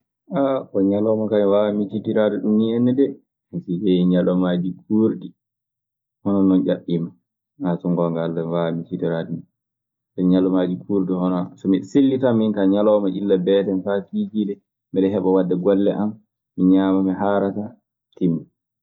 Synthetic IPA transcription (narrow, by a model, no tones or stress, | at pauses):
ʔaʔɔɲalɔmakamiwawamit͡ʃitiɾaduɗumniɛnːɛdɛ | hisid͡ʒɛɲalɔmad͡ʒikʰuːɾdi | hɔnɔnːɔnd͡ʒaɓːima | ŋasɔŋɡɔŋɡalːamwawamit͡ʃitiɾadunu | sɔɲalɔmad͡ʒikʰuɾdihɔnɔsɔmiselːitaminkaɲalɔmaʔilːabɛtɛnfafid͡ʒilɛ | mɛɗɛɦɛɓɔwadːɛɡɔlːɛʔamː | iɲaːmamɛɦaɾata | timːa